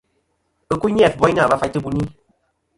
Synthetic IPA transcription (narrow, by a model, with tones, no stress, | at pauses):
ɨ˦˧ku˦ɲ˦ɛ˦˨fbɔ˦i˦na˦˨ba˨˦fa˧˨˦tɨ˦bu˧ni˦